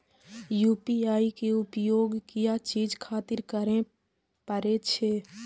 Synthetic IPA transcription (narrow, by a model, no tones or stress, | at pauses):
juːpiaːikeʊpjoːɡkijat͡ʃiːd͡ʒkʰaːt̪ɪɾkəɾẽ | pəɾet͡ʃʰe